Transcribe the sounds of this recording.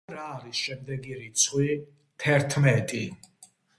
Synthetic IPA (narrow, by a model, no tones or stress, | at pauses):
ɾaːɾisʃɛmd̪ɛɡiɾit̪sʰχwi | t̪ʰɛɾt̪ʰmɛt̪ʼi